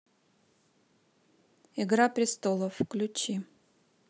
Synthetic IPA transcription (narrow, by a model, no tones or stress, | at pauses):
iɡɾapɾʲɪst̪olˠɔfklʲʊt͡ʃʰi